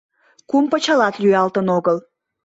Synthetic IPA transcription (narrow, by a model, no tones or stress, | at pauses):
kumpət͡ɕɑlɑt̪lyɑlt̪ənoɣəl